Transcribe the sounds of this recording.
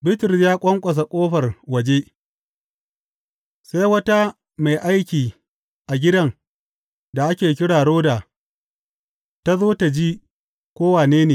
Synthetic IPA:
bɪ˦tɪ˨rsjaː˦kʷʼɐ˦ŋkʷʼɐ˨s̬a˨kʷʼoː˦ɸɐ˨rwɐ˨d͡ʒe˦ | sa˦jwɐ˦ta˦ | ma˨jʔa˦jkʲiː˨ | ʔa˨ɡʲɪ˦dɐ˦˨ŋ | da˨ʔa˦kʲeː˨k̬ʲɪ˦ɽaː˨ɽoː˦da˨ | ta˦zoː˦ta˨d͡ʒiː˦ | kʷoː˦waː˨neː˦neː˨

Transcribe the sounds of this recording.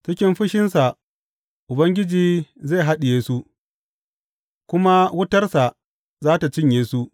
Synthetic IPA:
t͡ʃɪ˦kʲɪ˦mɸɪ˦ʃɪ˦nsa˨ʔ | ʔʊ˨bɐ˦ŋɡʲɪ˦d͡ʒiː˨zeː˦˨ɦa˦ɗɪ˨jeː˦su˦ | kʷʊ˦ma˦wʊ˦tɐ˦rsa˨ʔ | zaː˦ta˨t͡ʃɪ˦ɲjeː˨su˦ʔ

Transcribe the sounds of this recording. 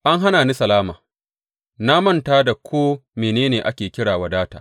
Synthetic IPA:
ʔa˦ŋɦa˦naː˨ni˦sɐ˨laː˦maː˨ | na˦mɐ˦ntaː˦da˨kʷʰoː˦meː˨neː˦neː˨ʔa˦kʲeː˨kʲɪ˦ɽaː˨wa˦daː˦ta̰ː˨

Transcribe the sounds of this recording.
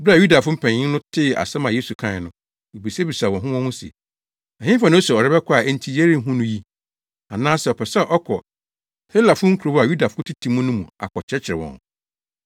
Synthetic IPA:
bɾi˦a˨ju˦da˨fʊ̃˦m̩˦pʰɛ̃˨ɲɪ̃˦n˦nʊ̃˦tʰɪ˦˨a̰˨sɛ˦mã˨jeː˦su˨kʰã˦˨nʊ̃˨ | i˨bi˨sɛ˦bi˨sa˨wɔ̃˨ɦʊ̃˦wɔ̃˦hʊ̃˦sɛ̰˨ | ã˨ɲɪ̃˦fã˨nʊ̃˦o˦sɛ˨ɔ˨ɾɛ˦bɛ˦kʰɔ˦a˨ɛ˦n̩˦tʰi˦je˦ɾĩ˦˨˦ɦũ˦nʊ̃˦ji˦ | a˨nãː˦sɛ˨ɔ˨pʰɛ˨sɛ˦˨ʔɔ˦kʰɔ˨ | he˦la˨fʊ̃˦ŋ̩˦kʰu˨ɾo˦ba˨ju˦da˨fʊ˦tʰi˦tʰĩ˨mũ˦nʊ̃˦mũ˨a̰˨kʰɔ˨t͡ɕʰɛ˦t͡ɕʰɪ˨ɾɪ˨wɔ̰̃˨n

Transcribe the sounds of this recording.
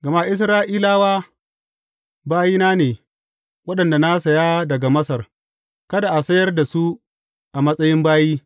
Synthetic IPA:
ɡɐ˨ma˦ʔɪ˦s̬ɾaː˦ʔiː˦laː˦waː˦ | baː˦jiː˦naː˦neː˨ | wɐ˦ɗɐ˨nda˨na˦sɐ˨ja˦dɐ˨ɡa˨mɐ˦sɐ˨r | kɐ˦da˨ʔa˨sɐ˦jɐ˦rda˨su˦ | ʔa˨mɐ˦sʼɐ˦jɪ˦mbaː˦jiː˦

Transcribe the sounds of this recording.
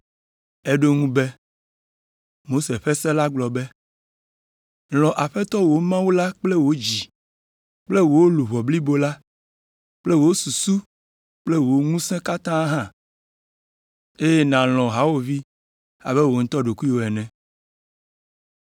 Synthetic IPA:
e˦ɖo˦ŋũ˦bɛ˦ | mo˦se˨ɸɛ˦sɛ̃˦la˦ɡ͡blɔ˨bɛ˦ | l̃ɔ̃˨ʔa˨ɸɛ˦t̪ɔ˦wo˦mã˦wu˦la˦k͡ple˦wo˦d͡ʑi˨ | k͡ple˦wo˨˦lu˨βɔ˨bli˦bo˦la˦ | k͡ple˦wo˨˦su˨su˦ | k͡ple˦wo˦ŋũ˦sɛ̃˦ka˦t̪ã˦ɦã˦ | e˦je˦nã˨l̃ɔ̃˨ɦa˨˦wo˦˨vi˦ | a̰˨bɛ˦wo˨˦ŋ̩̃˦t̪ɔ˦ɖo˨ku˦i˦wo˨ɛ˨nɛ̃˨

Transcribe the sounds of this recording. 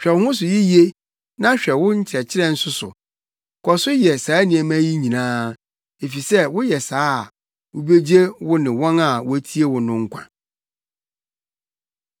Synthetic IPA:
ɕᶣɛ˨whʊ̃˦s̬ʊ˨ji˦ji˦e˦ | nã˦ɕᶣɛ˨wʊ̃˦ɲ̩˦t͡ɕʰɛ˨t͡ɕʰɪ˦ɾɛ˦n̩˦sʊ˦sʊ̰˨ | kʰɔ˨sʊ˦jɛ˨saː˨˦nĩ˨ɛ˨mã˦ji˦ɲĩ˨nãː˦ | e˨fi˨sɛ˦wʊ˦jɛ˨saː˦˨ | wʊ˦be˦d͡ʑi˦e˦wʊ˦nɪ̃˨wɔ̃˦na˨wʊ˦tʰi˦e˦wʊ̃˨nʊ̃˦ŋ̩˦kʷʰã̰˨

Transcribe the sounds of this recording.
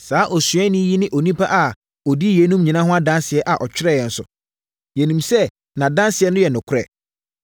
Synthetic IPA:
saː˨˦ʔɔ˨sɥɛ˦nɪ̃˦ji˦nɪ̃˦ʔo˨nĩ˦pa˦ʔa˨ | ɔ˨di˦je˨˦nũ˦mɲĩ˨nã˦ɦʊ̃˦a˦dã˦nsɪ˨ɛ˦ʔa˨ʔɔ˨t͡ɕᶣɪ˦ɾɛ˦˨jɛ˨n̩˨sʊ̰˨ | jɛ˨nĩ˨msɛ˦ | nã˨dã˦nsɪ˨ɛ˦nʊ̃˦jɛ˨nʊ̃˨kʰʊ˦ɾɛ˨

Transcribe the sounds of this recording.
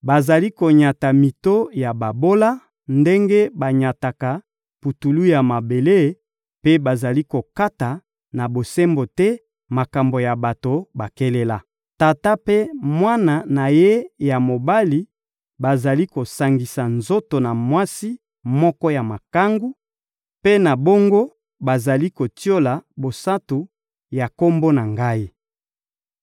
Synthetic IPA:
ba˨za˨li˦ko˨ɲa˨ta˨mi˨to˦ja˨ba˨bo˦la˦ | nde˦ŋɡe˦ba˨ɲa˨ta˨ka˨ | pu˨tu˨lu˦ja˨ma˨be˨le˦˨ | pe˦ba˨za˨li˦ko˨ka˦ta˨ | na˨bo˨se˦mbo˨tɛ˦ | ma˨ka˨mbo˨ja˨ba˨to˨ba˨ke˦le˦la˦ | ta˨ta˦pe˦mwa˦na˨na˨je˦ja˨mo˨ba˦li˦ | ba˨za˨li˦ko˨sa˨ŋɡi˨sa˨nzo˦to˨na˨mwa˦si˦ | mɔ˦kɔ˦ja˨ma˨ka˦ŋɡu˦ | pe˦na˨bo˦ŋɡo˦ | ba˨za˨li˦ko˨ti˦o˦la˨bo˨sa˦tu˨ | ja˨ko˦mbo˦na˨ŋɡa˦i˦

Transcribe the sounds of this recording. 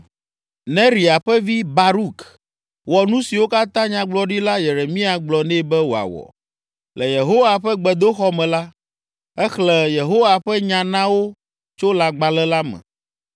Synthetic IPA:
nɛ̃˦ɾi˨a˨ɸɛ˦vi˦ba˨ɾu˦k | wɔ˨nũ˦si˨wo˦ka˦t̪ã˦ɲã˨ɡ͡blɔ˨ɖi˦la˦jɛ˨ɾɛ˨mĩ˦a˨ɡ͡blɔ˨nɛ̃˦bɛ˦wo˨a̰˨wɔ̰˨ | lɛ˨je˨ɦo˦wa˨ɸɛ˦ɡ͡bɛ˨d̪o˦xɔ˦mɛ̃˨la˦ | ɛ˦xlɛ˨je˨ɦo˦wa˨ɸɛ˦ɲã˨nã˦wo˦ | t͡ʃo˦la˨ɡ͡ba˨lɛ˦la˦mɛ̰̃˨

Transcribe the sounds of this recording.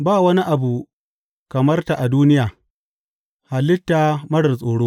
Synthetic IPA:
baː˦˨wɐ˦ni˦ʔa˨bu˨ | kɐ˨mɐ˦rta˨ʔa˨duː˦nɪ˦jaː˨ | ha˨lɪ˦tːa˨mɐ˦ɽɐ˨sʼoː˨ɽoː˦

